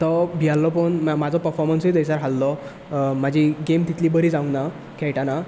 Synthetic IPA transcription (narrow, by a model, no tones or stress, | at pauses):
t̪ɔbʱialːɔpəɳmad͡zʱɔpəɾfɔɾmənsid̪əjsaɾɦalːɔ | mad͡ʑʱiɡemt̪it̪ʰliːbəɾiːd͡zaũŋɡna | kʰɛjʈana